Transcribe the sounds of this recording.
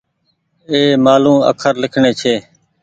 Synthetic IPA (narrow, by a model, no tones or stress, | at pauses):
eːmaːlũːə̰kʰəɾlɪkʰɳeːt͡ʃʰeː